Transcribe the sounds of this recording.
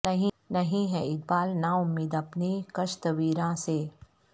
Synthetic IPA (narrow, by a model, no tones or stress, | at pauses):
ɐɦĩ | nɐɦĩɦɛɪk̚baːlnaʊmiːd̪ɐpnikɐʃt̪ɐʋiːɾãːseː